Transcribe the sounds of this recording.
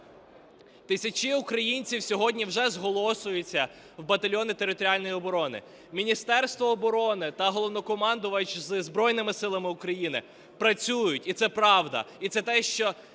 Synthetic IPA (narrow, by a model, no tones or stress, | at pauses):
t̪ɪsʲɐt͡ʃɪukɾɐjinʲt͡sʲiwsʲɔɦɔdʲnʲiwʒɛzɦɔlˠɔsʊjʊt͡sʲːɐ | wbɐt̪ɐlʲjɔnɪt̪eɾɪt̪ɔɾʲialʲnɔjiɔbɔɾɔnɪ̰ | mʲinʲist̪ɛrst̪ʋɔːbɔɾɔnɪt̪ɐɦɔlˠɔwnɔkɔmɑnd̪ʊʋɐt͡ʃzɨzbɾɔjnɪmɪsɪlˠɐmɪukɾɐjinɪ | pɾɐt͡sʲujʊtʲit̪sɛpɾɑwd̪ɐ̰it̪sɛt̪ɛʃt͡ʃɔ